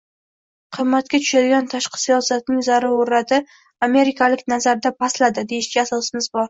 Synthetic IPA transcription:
qʰɨmːat̪̚kʲat̪ʰʊ̥ʃad̪ɪɡʲant̪ʰaʃqɨ̥sijɒsat̪̚nɪŋzaɾɪoɾɾat̪ʰɪ | ame̞ɾɪkʲʰalɪkʲnazaɾd̪apʰaslad̪ɪd̪e̞jɪʃkʲɪasɒsɪmɪzbɒɾ

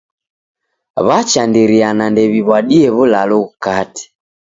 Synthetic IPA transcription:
βat͡ʃandiɾianandɛβiβwaɗiɛβulaluɣukati̥

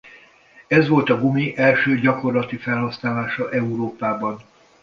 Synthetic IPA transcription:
ɛzʋo̞lt̪ɒɡumiʔɛlʃøːɟɒko̞rlɒt̪ifɛlɦɒsnaːlaːʃɒʔɛuɾoːpaːbɒn

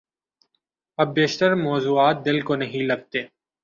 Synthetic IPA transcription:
ɐbːeːʃt̪əɾmɔːzuːaːt̪̚d̪ɪlkonɐɦĩlɐɡ̚t̪eː

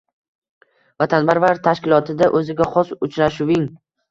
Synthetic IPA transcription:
vat̪ʰanbaɾvaɾt̪ʰaʃkʲɪlˠɒt̪ʰɪd̪aʔɵzɪɡʲaχɒsʊt͡ʃɾaʃʊwɪŋ

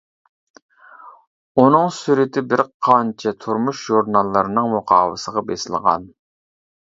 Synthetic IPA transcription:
unɨŋsyɾɪt̪ʰɪbɪɾqʰɑnt͡ʃʰɛt̪ʰuɾmuʃʒuɾnɑlˠːəɾɨnɨŋmʊqʰɑːwə̰səʁɑbesɪlˠʁɑ̰n

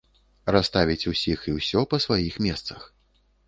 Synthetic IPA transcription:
ɾast̪avʲit͡sʲusʲixiwsʲɔpɐsvajixmʲɛst̪sɐx

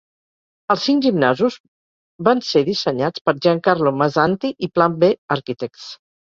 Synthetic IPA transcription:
əlˠsːiŋʒimnazuz | banseðisəɲat͡spəɾʒaŋkaɾloməzant̪iʔiplambeəɾkit̪ɛk̚s

